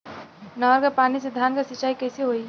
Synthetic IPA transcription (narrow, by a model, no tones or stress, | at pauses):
nəəɾkapanised̪ʱankasit͡ʃaikəjsiɦoi